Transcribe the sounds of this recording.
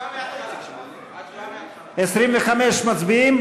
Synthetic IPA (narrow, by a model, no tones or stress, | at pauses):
esɾimveχameʃmat͡sbiim